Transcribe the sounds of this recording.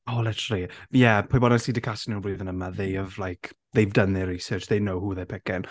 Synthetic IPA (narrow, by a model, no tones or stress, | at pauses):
oːlɪtʰəɾəlˠijɛpʰojbɔdnɛsidɪkʰasnunbuːðənəmaðejəvlajkʰ | ðejvdənðɪɾisəːt͡ʃðejnowhuːðepʰɛkɪn